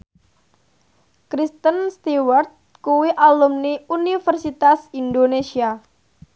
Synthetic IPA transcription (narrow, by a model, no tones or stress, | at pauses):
kɾist̪ənst̪iwart̪̚ | kuwiʔalumniunifərsit̪asindonesia